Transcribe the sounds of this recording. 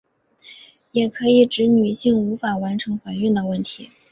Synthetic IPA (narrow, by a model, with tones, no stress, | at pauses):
jɛ˨˩kʰɤ˧˥i˨˩ʈ͡ʂɻ̩˧˥ny˨˩ɕi˥˩ŋu˧˥fa˨˩wa˧˥nʈ͡ʂʰɤ˧˥ŋxwa˧˥nɥy˥˩nd̪ə˩wə˥˩nt̪ʰi˧˥